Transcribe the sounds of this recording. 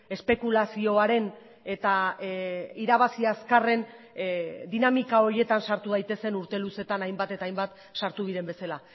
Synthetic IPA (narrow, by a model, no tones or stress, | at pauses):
e̞spe̞kulasio̞aɾe̞n | e̞t̪a | iɾaβasiaskare̞n | d̪inamikao̞ɾje̞t̪ansaɾt̪uð̞ajt̪e̞se̞nuɾt̪e̞luse̞t̪anajmbat̪e̞t̪aːjmbat̪ | ʃaɾt̪uβiɾe̞mbe̞sala